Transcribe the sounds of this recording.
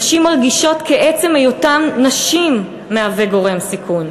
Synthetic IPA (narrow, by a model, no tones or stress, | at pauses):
ʃimalɡiʃo̞tkeʔet͡semejotamnaʃimː | eaveɡo̞ʁe̞msikʰun